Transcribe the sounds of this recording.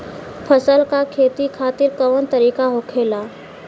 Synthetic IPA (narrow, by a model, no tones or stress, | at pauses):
pʰəsəlkakʰeːt̪ikʰaːt̪ɪɾkəʋənt̪əɾiːkaɦokʰeːlaː